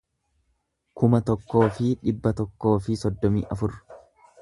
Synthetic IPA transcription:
kʊmɐt̪ɔkːo̞ːfɪᶑɪbːɐt̪ɔkːo̞ːfɪsɔd̪ːɔmḭːʔɐfʊɾ

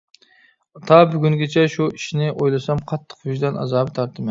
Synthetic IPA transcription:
ɑt̪ʰɑbyɡʲyŋɡʲet͡ʃʰɛʃuiʃnɪʔojlˠɨsɑmqʰɑt̪ʰːə̥qyʒd̪ɛnʔɑ̰zɑːbt̪ʰɑɾt̪ʰɨmɪ

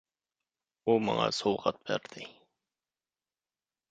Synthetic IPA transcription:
umɑ̰ŋɑ̰sowqɑt̪̚bæ̰ɾd̪ɪ

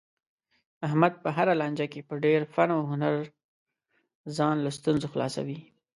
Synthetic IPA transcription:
ahmad̪̚pəɦaɾalɑnd͡ʒakepəɖeɾfaɳoɦʊnaɾ | zɑnlast̪unzoxlɑ̰sa̰wi

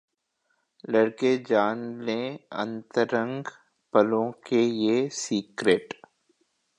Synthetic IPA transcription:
lɐɽked͡ʒaːnlẽɐ̰̃nt̪əɾə̃ŋɡ | pəlõkejesiːkɾeːʈ

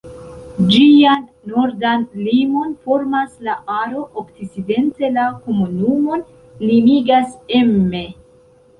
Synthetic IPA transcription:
d͡ʒianːoɾdanlimo̞nfo̞ɾmaslaʔaɾo̞ʔokt͡sit͡side̞nte̞lako̞munumo̞n | limiɡasemːe̞

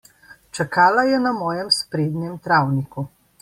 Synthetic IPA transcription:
t͡ʃakaːlajɛnamɔːjɛmspɾeːd̪nʲjɛmt̪ɾaːwniku

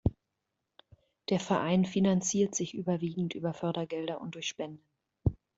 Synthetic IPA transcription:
d̥eːɐfɛɐʔaɪnfinant͡siːɐtz̥ɪçʔyːbɐviːɡŋ̩tʔyːbɐfœɐdɐɡɛldɐʔʊnt̚d̥ʊɐçʃpɛndə

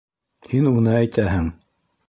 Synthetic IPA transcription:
hinunɤæjt̪æɦɘŋ

